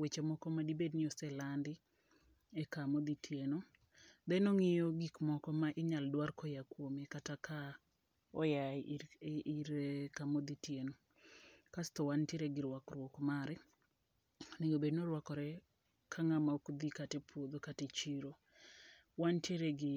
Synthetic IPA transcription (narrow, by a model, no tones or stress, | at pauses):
wet͡ʃemɔkɔmadibednɪɔsɛlandɪ | ekamod̪itʰjeno | d̪ɛnoŋɪjɔɡikmɔkɔmaʔɪɲaldwarkɔjakwomekatakʰa | ɔja | iɾkamod̪itjeno | kast̪ɔwantjeɾeɡɪɾwakɾwokmaɾɛ | nijobednoɾwakɔɾɛ | kʰaŋamaokd̪ikatepʰwod̪okatet͡ʃiɾo | wantjeɾeɡɪ